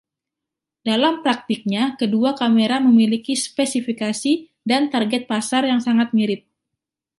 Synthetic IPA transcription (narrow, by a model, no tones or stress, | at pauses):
dalampɾak̚t̪ik̚ɲakəduakameɾaməmilikispesifikasi | dant̪arɡɛt̪̚pasarjaŋsaŋat̪̚miɾɪp̚